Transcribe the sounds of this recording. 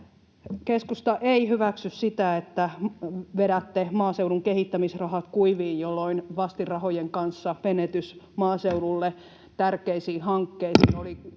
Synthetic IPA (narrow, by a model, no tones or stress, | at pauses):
keskust̪ɑʔeihyʋæksyssit̪æet̪ːæʋeɾæt̪ːemɑːseuwɾuŋkehit̪ːæmisrɑhɑt̪kuiʋiːnjolːoinʋɑst̪irɑhojeŋkɑnsːɑʋenet̪ysmɑːseuɾulːe | t̪ærkeisiːhɑŋkːeisiːnoli